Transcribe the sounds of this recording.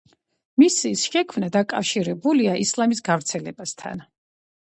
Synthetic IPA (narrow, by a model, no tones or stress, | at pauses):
misisʃɛkʰmnad̪akʼafʃiɾɛbuliaʔislˠamis̬ɡavɾt̪sʰɛlɛbast̪ʰa̰n